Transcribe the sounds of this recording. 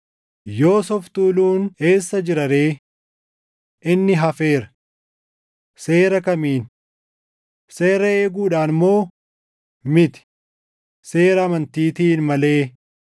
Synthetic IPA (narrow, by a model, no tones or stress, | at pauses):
jo̞ːsɔft̪uːluːne̞ːsːɐd͡ʒɪɾɐɾe̞ː | ʔɪnːɪɦɐfe̞ːɾɐ | se̞ːɾɐkɐmiːn | se̞ːɾɐeːɡuːᶑaːnmo̞ː | mɪt̪ɪ̥ | se̞ːɾɐːmɐnt̪iːt̪iːnmɐle̞ː